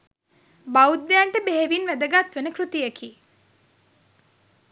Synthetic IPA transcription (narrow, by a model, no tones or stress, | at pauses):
baud̪ːejaɳʈəbeɦeʋinʋæd̪əɡat̪ʋenəkrut̪ijekiː